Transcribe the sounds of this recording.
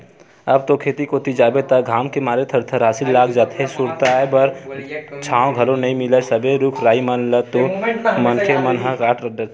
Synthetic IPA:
əbt̪okʰeːt̪ikot̪id͡ʒaːbet̪aɡʱaːmkemaːɾet̪ʰɐɾt̪ʰəɾaːsilːaːɡd͡ʒaːt̪ʰɦesuɾt̪aebəɾt͡ʃʰaːõɡʱɐlõnɐĩmɪləsəbeɾukʰɾaːimənlət̪omənkʰemənɦakaːʈɾəɖə

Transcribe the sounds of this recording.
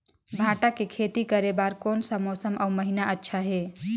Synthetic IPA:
bʱaʈakekʰet̪ikəɾebaɾkonsəmosəmʔəməɦinaʔətːʃʰaɦe

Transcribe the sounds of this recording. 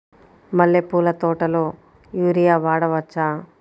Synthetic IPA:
mɐɭːepuːlɐt̪ɔːʈɐloː | juːɾijaːʋaːɽɐʋɐt͡ʃːaː

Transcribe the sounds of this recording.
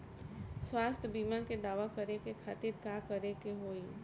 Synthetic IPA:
swaːst̪ʰbiːmãked̪aːʋakəɾekekʰaːt̪ɪɾkaːkəɾekeɦoːi

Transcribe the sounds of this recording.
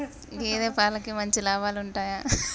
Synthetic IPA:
ɡeːd̪eːpaːlɐkimɐɲt͡ʃilaːbaːluɳʈaːjaː

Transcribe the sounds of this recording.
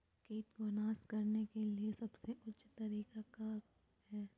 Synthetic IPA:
keːt̪ʋɐnaːskɐɾnekeliesɐbseʔʊtːʃʰt̪ɐɾiːkaka | hɛː

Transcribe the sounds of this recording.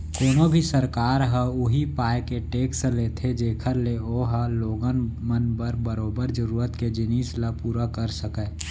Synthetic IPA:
koːnobʱisəɾkaːɾɦə̃ʊɦipaːekeʈeːksleːt̪ʰed͡ʒeːkʰəɾleoːɦaloːɡənmənbəɾbəɾoːbəɾd͡ʒəɾuːɾət̪ked͡ʒɪniːslapuːɾakəɾsəkɛ

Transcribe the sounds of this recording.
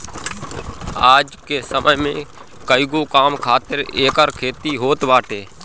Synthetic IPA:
aːd͡ʒkeːsəmʔəmẽː | kəɪɡoːkaːmkʰaːt̪ɪɾeːkəɾkʰeːt̪iːɦoːt̪ʋaːʈeː

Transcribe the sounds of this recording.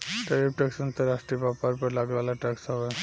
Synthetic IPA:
ʈəɾipʈɛksənt̪əɾaʂʈɾibapaɾpəɾlaɡlalaʈɛksaʋa

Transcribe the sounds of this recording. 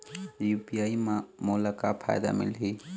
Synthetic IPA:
jupijaːimãmolakapʰa̰jd̪a̰mɪ̰lɦi

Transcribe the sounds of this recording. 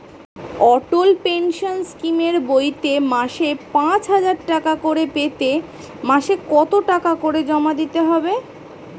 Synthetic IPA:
ɔʈolpenʃonskimeɾbojt̪emaʃepãt͡ɕɦad͡ʑaɾʈakakoɾepet̪e | maʃekɔt̪oʈakakoɾed͡ʑɔmad̪it̪eɦɔbe

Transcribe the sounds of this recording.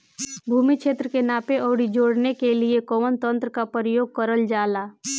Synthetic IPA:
bʱuːmikʃeːt̪ɾəkenaːpeʔɔːɽid͡ʒoːɽnekeliekɔʋənt̪ə̃nt̪ɾəkapəɾəjoːɡ̚kəɾəld͡ʒaːlaː

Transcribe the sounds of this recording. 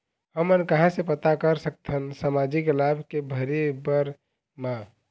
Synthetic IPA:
həmənkəɦãsepət̪akəɾsək̚t̪ʰənsamad͡ʒiklabʱkebʱəɾebəɾ | ma

